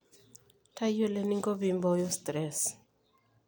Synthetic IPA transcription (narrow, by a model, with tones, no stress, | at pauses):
ta˦jo˦le˦ni˦ŋɡo˦bi˨mbɔ˦jɔ˦st̪ɾɛs